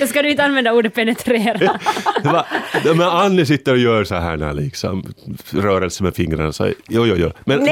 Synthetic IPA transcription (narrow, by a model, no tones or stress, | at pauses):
joskɑnyit̪ɑnʋendɑuːdeppenet̪reːrɑʋɑnomæɑnːisit̪ːojøːsɑhæ̰næ̰liːksɑ̰mrøːɾesæmæfiŋrɑ̰nsɑ̰joːjoːjo̰ːmen